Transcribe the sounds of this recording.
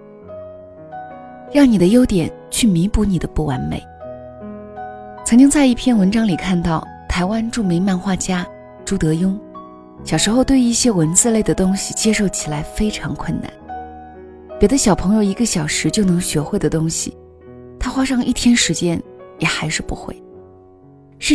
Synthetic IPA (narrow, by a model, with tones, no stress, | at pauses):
jɑ˥˩ŋni˨˩d̪ə˦jo˥ʊt̪jɛ˨˩n | t͡ɕʰy˥˩mi˧˥pu˥˩ni˨˩d̪ə˦pu˥˩wa˧˥nmḛ˨˩ɪ | t͡sʰɤ˧˥ŋt͡ɕi˥ŋt͡sa˥˧ɪi˥˩pʰjɛ˥˩nwə˧˥nʈ͡ʂɑ˥ŋli˨˩kʰa˥˧nt̪ɑ˥˩ʊ | t̪ʰa˧˥ɪwa˥nʈ͡ʂu˥˩me˧˥ɪma˥˧nxwa˥˩t͡ɕja˥ | ʈ͡ʂu˧˥t̪ɤ˧˥jʊ˥ŋ | ɕjɑ˨˩ʊʂɻ̩˧˥xo˥˧ʊt̪we˥˧ɪi˥˩ɕjɛ˥wə˧˥nt͡sɹ̩˥˧le˥˩ɪd̪ə˩t̪ʊ˥ŋɕi˨˩t͡ɕjɛ˥ʂo˥˩ʊt͡ɕʰi˨˩la˧˥ɪfe˥ɪʈ͡ʂʰɑ˧˥ŋkʰwə˥˩na̰˩˦n | pjɛ˨˩d̪ə˦ɕjɑ˨˩ʊpʰɤ˧˥ŋjo˧ʊi˧˥ɡə˧ɕjɑ˨˩ʊʂɻ̩˧˥t͡ɕjo˥˩ʊnɤ˧˥ŋɕɥɛ˧˥xwe˥˩ɪd̪ə˩t̪ʊ˥ŋɕḭ˨˩ | t̪ʰa˥xwa˥ʂɑ˥˧ŋʔi˥˩t̪ʰjɛ˥nʂɻ̩˧˥t͡ɕjɛ˥njɛ˨˩xa˧˥ɪʂɻ̩˥˩pṵ˧˥xwḛ˥˩ɪ | ʂɻ̩˥˩